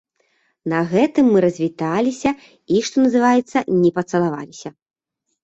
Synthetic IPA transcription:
nɐɣɛt̪ɨmːɨɾɐzʲvʲit̪alʲisʲɐ | iʂt̪ɔnɐzɨvajɛt̪sːɐnʲɛpɐt̪sɐlˠava̰lʲisʲɐ

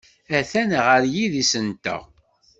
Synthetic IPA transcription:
æθænʁəɾjiðisənt̪æ̰

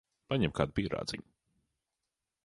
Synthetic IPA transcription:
paɲɛmkaːd̪̚piɛɾa̰ːd̪zḭɲu

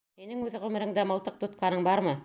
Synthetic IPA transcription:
minɘŋʉðʁɵ̆mɘ̆ɾɘ̆ŋd̪æmɤ̆lˠt̪ɤq̚t̪ŏt̪̚qɑnɤɴbɑɾmɤ

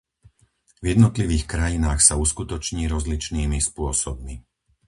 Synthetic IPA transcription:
vjɛd̪nɔt̪liʋiːxkɾajinaːxsauskut̪ɔt͡ʃɲiːɾɔzlit͡ʃniːmispʊɔsɔbmi

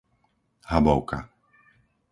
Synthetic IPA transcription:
habɔʊka̰

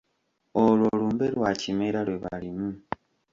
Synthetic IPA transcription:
olwoluːmbe̞lwacimeɾalwe̞βa̰limu

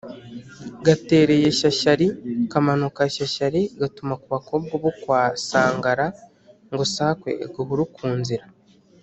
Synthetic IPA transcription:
ɡate̞ːɾe̞jeʃaʃaɾikamanukaʃaʃaɾiɡatumakuβako̞ːbɡoβokwaːsaːŋɡaɾa | ŋɡosaːkwe̞̰ɡoβuɾukʰuːnziɾa

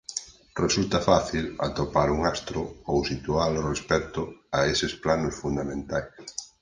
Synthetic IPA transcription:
result̪afaθila̰t̪opaɾuŋast̪ɾʊowsit̪ualorespɛt̪ʊaesɪsplanʊsfund̪amẽnt̪ajs

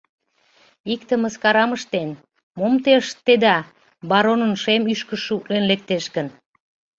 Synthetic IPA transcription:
ikt̪ə̆mə̆skɑɾɑməʃt̪en | momt̪eʃt̪ed̪ɑ | bɑɾonənʃemyʃkəʃuʔlenlek̚t̪eʃkə̆n

